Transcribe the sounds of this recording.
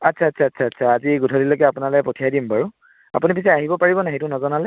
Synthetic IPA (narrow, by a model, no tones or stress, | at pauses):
atːsʰaːtsʰaːtsʰaːtsʰaːziɡutʰɔlilokɛapunaloɛpɔtʰijajdimbaɹu | a̰punipisɛaɦibɔpaɹibɔnaɦejt̬unɔzɔnalɛ